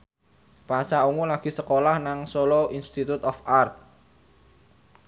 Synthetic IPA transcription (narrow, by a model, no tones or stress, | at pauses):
pasauŋulaɡ̥i̤səkolahnaŋsɔlɔʔinst̪it̪ut̪ɔfart̪̚